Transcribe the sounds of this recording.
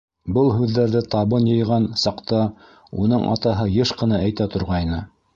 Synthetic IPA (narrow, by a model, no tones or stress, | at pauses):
bɤlˠɦʉðːæɾðɘt̪ɑβɤnjɤ̆jʁɑnsɑqt̪ɑ | unɤɴʔɑ̰t̪ɑɦɤjɤʃqɤ̆nɑæjt̪æt̪ŏɾʁɑjnɤ